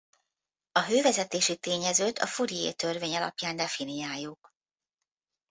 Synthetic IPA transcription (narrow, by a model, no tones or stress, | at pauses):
ɒɦøːvɛzɛt̪eːʃit̪eːɲɛzøːt̪ʰɒ̰fuɾijḛːt̪ø̞rveːɲɒlɒ̰pjaːnd̪ɛfinijaːjːuk